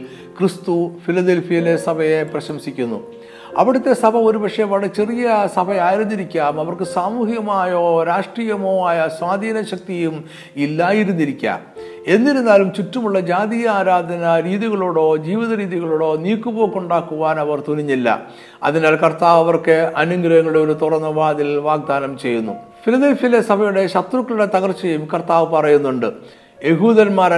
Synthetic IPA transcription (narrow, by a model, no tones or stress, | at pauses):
krist̪ufilɐd̪elfijɐlesɐbʱɐje̞prɐɕɐmsikʲːunːṵ | ɐʋiɽɐt̪ːe̞sɐbʱɐo̞ɾubɐkʂɐjɐʋɐɭɐt͡ɕe̞rijɐsɐbʱɐjaːjiɾunːiɾikʲːaːmɐʋɐrkɨsaːmuːhjɐmaːjoːɾaːʂʈriːjɐmo̞ːaːjɐswaːd̪ʱiːnɐɕɐk̚t̪ijum | ilːaːjiɾunːiɾikʲːa̰ːm | e̞nːiɾunːaːlumt͡ɕutːɐmuɭːɐd͡ʑaːd̪ijɐaːɾaːd̪ʱɐnɐɾiːðiɣɐɭoːɽo̞ːd͡ʑiːʋiðɐɾiːðiɣɐɭoːɽo̞ːniːkːubo̞ːkːuɳɖaːkːuʋaːnɐʋɐrt̪uniɲːilːɐ̰ | ɐ̰ðinaːlkɐrt̪aːʋɐʋɐrkɨɐnuŋɡɾɐjɐŋːɐuɽeo̞ɾut̪urɐnːɐʋaːd̪ilʋaːɡ̚d̪aːnɐmt͡ɕe̞jːunːṵfilɐðelfile̞sɐbʱɐjuɽe̞ɕɐt̪rukːɐɭuɽe̞t̪ɐɣɐrt͡ɕːɐjumkɐrt̪aːʋɨpɐrɐjunːuɳɖɨ | je̞ɦuːðɐnmaːɾ